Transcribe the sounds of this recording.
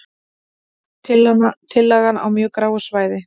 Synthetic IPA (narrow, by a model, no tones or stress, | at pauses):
ɪlt̪ʰɪlːaɣana̰wmjœːkɾaːwɣʏsvaːjðɪ